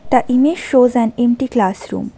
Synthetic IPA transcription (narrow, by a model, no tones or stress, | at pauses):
d̪̥ɐʔimed͡ʒʃoːzæ̃nẽmʈiklaːsɾṵːm